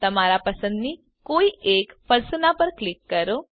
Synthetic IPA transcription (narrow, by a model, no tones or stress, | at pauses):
t̪ɐmaːɾapɐsə̃nd̪ni | koːiʔeːkfʰɐɾsənapɐɾklɪkːɐɾoː